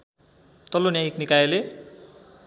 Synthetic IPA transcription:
t̪ʌlonjajiknikajele

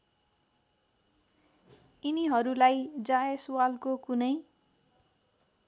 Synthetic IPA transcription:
iniɦʌɾulajd͡zaesuwalkokunʌj

